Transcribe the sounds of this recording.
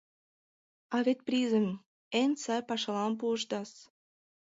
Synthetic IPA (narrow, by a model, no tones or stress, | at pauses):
ɑβet̪̚prizə̆m | ensɑjpɑʃɑlɑmp̬uəʃt̪ɑs